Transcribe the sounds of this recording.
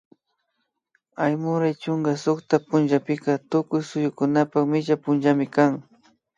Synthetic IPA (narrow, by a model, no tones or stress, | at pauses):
ajmʊɾajt͡ʃʊŋɡasʊkt̪apʊnʒapɪkat̪ʊkʊjsʊjʊkʊnapakmɪʒapʊnʒamɪkaŋ